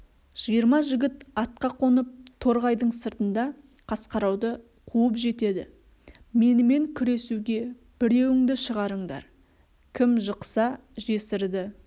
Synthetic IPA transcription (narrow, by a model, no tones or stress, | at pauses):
ʒ̥ijəɾmɑʒɪɡʲɪt̪ɑt̪̚qɑqʰo̞nəp̚t̪ʰo̞ɾʁɑjd̪əɴsəɾt̪ənd̪ɑ | qʰɑsqɑɾɑwd̪ə | qʰuəpʒe̞t̪e̞d̪ɪ̰ | me̞nɪme̞ŋkʲʰʏɾe̞suɡʲe̞ | b̥ɪɾe̞wɪŋd̪ɪʃəʁɑɾəɴd̪ɑ̰ɾ | kʲʰɪmʒəqsɑ | ʒe̞sɪɾd̪ɪ